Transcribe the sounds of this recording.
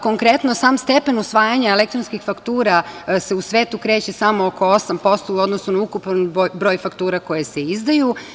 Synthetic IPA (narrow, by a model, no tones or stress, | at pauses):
ko̞ŋkɾe̞t̪nosaːmst̪e̞pe̞nusʋaːjaɲaelekt̪ɾonskixfakt̪uːɾase̞usʋeːt̪ukɾe̞ːt͡ɕe̞samooko̞osampo̞st̪ood̪nosnonaukupnobɾo̞ːjfakt̪uːɾako̞jeseizd̪aju